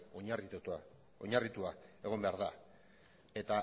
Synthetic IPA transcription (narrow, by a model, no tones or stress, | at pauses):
oɲarit̪t̪a | oɲarit̪uae̞ɣ̞o̞mbe̞aɾða | e̞t̪a